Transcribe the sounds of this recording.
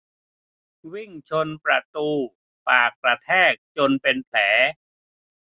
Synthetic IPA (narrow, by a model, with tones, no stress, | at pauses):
wi˥˩ŋt͡ɕʰo˧npɾa˧t̪uː˧ | paː˨˩k̚ːɾa˧t̪ʰɛː˥˩k̚t͡ɕo˧npe˧npʰlɛː˩˦